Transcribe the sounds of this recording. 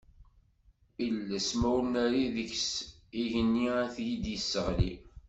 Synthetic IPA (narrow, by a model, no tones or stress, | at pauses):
iləsmæwnæɾiðəçsiʝənːiæθjid̪jəsːəʁlḭ